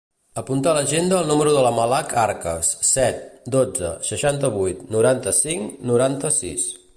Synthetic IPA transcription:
əpunt̪aləʒend̪əːlˠnuməɾuðələməlakʰaɾkə̰sːɛt̪̚d̪od͡zə̰səʃant̪əβujt̪nuɾant̪əsiŋnuɾant̪əsḭs

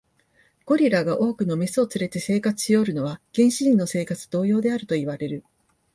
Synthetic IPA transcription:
ɡ̥o̞ɾʲiɾaɡaʔo̞ːkɯ̟no̞mesɨo̞t͡sɨɾe̞t̪e̞se̞ːkat͡sɨ̥ɕijo̞ɾɯ̟no̞βaɡ̥ẽ̞ɰ̃ɕiʑĩnːo̞se̞ːkat͡sɨ̥d̪o̞ːjo̞ːd̪e̞aɾɯ̟t̪o̞iβaɾe̞ɾɯ̟

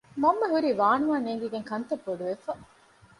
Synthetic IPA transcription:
mɐmːeɦuɾiːʋaːnuʋaːneːŋɡiɡeŋkɐnt̪ɐbːoɖuʋefɐ

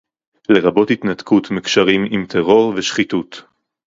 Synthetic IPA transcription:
le̞ʁabo̞thit̪natkutmikʃaʁimimt̪ʰeʁo̞ʁveʃχitut

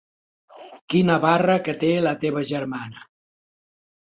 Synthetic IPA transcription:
kinəβarəkət̪elət̪eβəʒəɾmanə

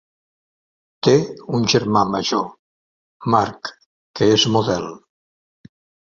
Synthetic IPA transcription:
t̪eunʲʒeɾmamaʒo | maɾk | keezmoðɛl

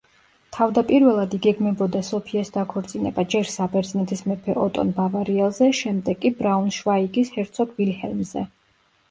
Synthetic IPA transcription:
t̪ʰavd̪apʼiɾvɛlˠad̪iɡɛɡmɛbɔd̪asɔpʰiasd̪akʰɔɾt̪sʼinɛ̰bad͡ʒɛɾsabɛɾd̪zinɛt̪ʰismɛpʰɛʔɔt̪ʼɔ̰nbavaɾiɛlˠzɛʃɛmd̪ɛɡkʼibɾaunʃvaiɡishɛɾt̪sʰɔɡvilhɛ̰lˠmzɛ̰

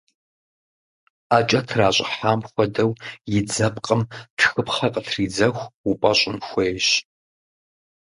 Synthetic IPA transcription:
aːt͡ʃʼɐtʰraːɕʼɪ̰ħaːmxʷɔdɐwjɪd͡zɐpqʼəmtʰxɨpχɐqʼətʰriːd͡zɐxʷupʷʼɐɕʼɪnxʷeːjɕ

